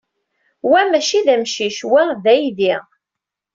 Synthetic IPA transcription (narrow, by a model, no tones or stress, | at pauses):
wæmæʃiðæmʃiʃwæðæjðiʁ